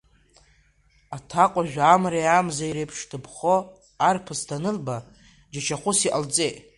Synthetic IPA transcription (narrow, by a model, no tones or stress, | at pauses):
atʰaqʷʼaʒᶣamɾajamzaiɾepʰʂtʰɨpʰχo | arpʰɨstʰanɨlba | d͡ʒat͡ʃʰaχʷʊsiʔalt͡sʼejtʼ